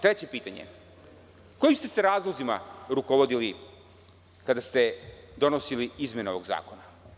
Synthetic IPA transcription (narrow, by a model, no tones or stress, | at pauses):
t̪ɾet͡ɕe̞piːt̪aɲḛ | ko̞jimst̪eseɾaːzlˠozima̰ɾukoʋod̪ili | kad̪ast̪e̞d̪o̞nosiliizme̞neo̞ʋoɡza̰ːko̞na